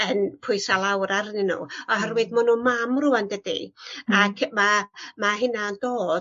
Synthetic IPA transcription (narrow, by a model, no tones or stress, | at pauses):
ənpʰʊɨsalˠawɾarnɪnṵːɔɦɛrwɨðmɔnuːmamruandədḭakʰmamaɦɪnaəndoːd